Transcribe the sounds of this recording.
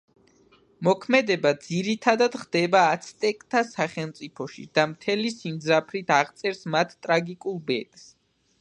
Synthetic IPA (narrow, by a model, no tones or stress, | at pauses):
mɔkʰmɛd̪ɛbad̪ziɾit̪ʰad̪ad̪χd̪̥ɛbaːt̪sʰt̪ʼɛkʼt̪ʰasaχɛlˠmt̪sʼipʰɔʃḭd̪̥amt̪ʰɛlisimd̪zɾapʰɾit̪ʰaʁt̪sʼɛɾsmat̪ʰt̪ʼɾaɡikʼulˠbɛt̪ʼs